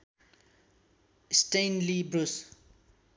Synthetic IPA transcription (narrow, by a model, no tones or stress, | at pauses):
sʈejnlibɾus